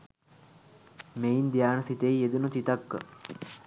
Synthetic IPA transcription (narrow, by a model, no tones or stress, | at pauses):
meind̪ijaːnəsit̪eied̪unut͡ʃ̪it̪akːə̰